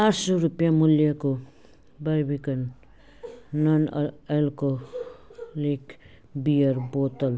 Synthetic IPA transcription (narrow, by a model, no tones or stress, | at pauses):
asuɾupiamuliako | baɾbikan | anelko | lik | biaɾbotal